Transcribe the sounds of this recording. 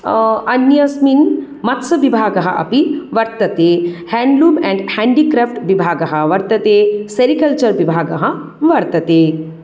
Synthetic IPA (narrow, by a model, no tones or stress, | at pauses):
ɐnjɐsmin | mɐt̪sɐʋibʱaːɡɐɦɐʔɐ̰piʋɐɾt̪ɐt̪eːhɛ̃ːɳɖluːmɛ̃ɳɖhɛ̃ɳɖikɾɛːfʈʋibʱaːɡɐɦɐʋɐɾt̪ɐt̪eːseɾikɐlt͡ʃɐɾʋibʱaːɡɐɦɐ | ʋɐɾt̪ɐt̪eː